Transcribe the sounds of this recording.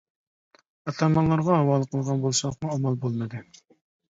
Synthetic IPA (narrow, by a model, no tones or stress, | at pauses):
ɑt̪ʰɑmɑnlˠɑɾʁɑɦɑwɑːlˠəqʰəlˠʁɑnbolˠsˠχmuɑmɑlˠbolˠnɨd̪ɨ